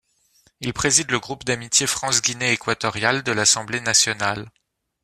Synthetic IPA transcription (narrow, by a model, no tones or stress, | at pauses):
ilpχezid̪ləɡʁupd̪amit̪jefχɑ̃sɡʲineːkwat̪ɔʁjald̪əlasɑ̃blenasjɔnal